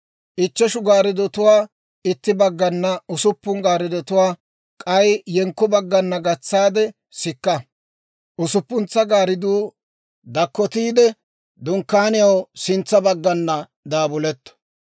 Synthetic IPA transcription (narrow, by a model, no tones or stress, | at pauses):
ʔɪt͡ʃːɛʃʊɡaːɾɪd̪ɔt̪ʊwaː | ɪt̪ːɪbɐɡːɐnːɐʊsʊpːʊŋɡaːɾɪd̪ɔt̪ʊwaː | kʼɐjjɛŋkːʊbɐɡːɐnːɐɡɐt͡sːaːd̪ɛ | sɪkːɐ | ʔʊsʊpːʊnt͡sːɐɡaːɾɪd̪uː | d̪ɐkːɔt̪iːd̪ɛ | d̪ʊŋkːaːnɪjɐwsɪnt͡sːɐbɐɡːɐnːɐ | d̪aːbʊlɛt̪ːɔ̥